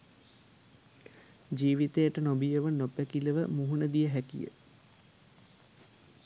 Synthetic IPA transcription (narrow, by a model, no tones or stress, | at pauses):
d͡ʒiːʋit̪ejəʈənobijəʋənopækiləʋəmuɦunəd̪ijəɦækḭjə̰